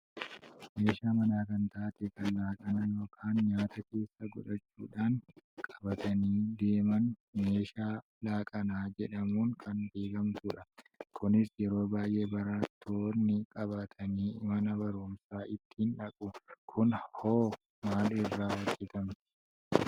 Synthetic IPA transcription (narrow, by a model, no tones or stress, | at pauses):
me̞ːʃaːmɐnaːkɐnt̪aːt̪ɛkɐnlaːkʼɐnɐːjo̞ːkʰaːnɲaːt̪ɐke̞ːsːɐɡʊᶑɐt͡ʃːuːᶑaːŋkʼɐ̥bɐt̪ʰɐniːd̪e̞ːmɐnme̞ːʃaː | laːkʼɐnaːd͡ʒɛᶑɐmuːŋkʰɐnbe̞ːɡɐmt̪uːᶑɐkʊnɪsjɛɾo̞ːbaːjʔe̞ːbɐɾaːt̪ʰːoːnːɪkʼɐβaːt̪ʰɐniːɪmɐnɐbɐɾuːmsaːʔɪt̪ːɪhɪnᶑɐkʼʊkʰʊnhoː | maːlɪrːaːwɐd͡ʒːɛt̪ɐmt̪ɪ̥